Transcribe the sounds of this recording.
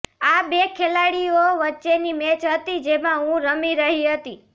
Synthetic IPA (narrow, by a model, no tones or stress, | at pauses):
abekʰelaɽioʋətːʃenimɛ̃t͡ʃɦət̪id͡ʒemãɦũɾəmiɾəɦiɦət̪i